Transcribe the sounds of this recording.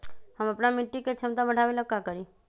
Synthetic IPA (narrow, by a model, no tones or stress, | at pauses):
həməpnamɪʈːiket͡ʃʰəmt̪abəɽ̤ʱaʋelakakəɾi